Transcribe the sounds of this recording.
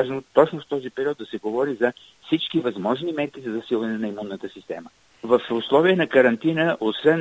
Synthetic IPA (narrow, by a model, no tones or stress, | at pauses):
aʒnot̪ɔt͡ʃnʊft̪ɔzipɛɾiɔd̪d̪ɐsɛɡovɔɾizɐ | fsit͡ʃkivɐzmɔʒnimɛɾkizɐzɐsilˠvɐnɛnɐimunːət̪əsist̪ɛ̰mə | vɐfʊslˠɔviənɐkəɾɐnt̪inəʔosvɛn